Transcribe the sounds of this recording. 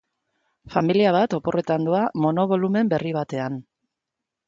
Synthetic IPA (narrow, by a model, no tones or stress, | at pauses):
familiaβ̞at̪o̞po̞re̞t̪and̪uamo̞no̞β̞o̞lume̞mbe̞riβ̞at̪e̞an